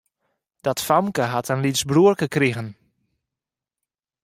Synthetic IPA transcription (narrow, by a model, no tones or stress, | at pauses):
d̥ɔtfamkəɦatʰənlisbruərkəkriɣən